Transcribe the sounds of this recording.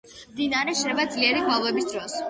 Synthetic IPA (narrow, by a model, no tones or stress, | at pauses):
md̪inaɾɛʃɛbad̪zliɛɾiɡwalˠvɛbisd̪ɾɔs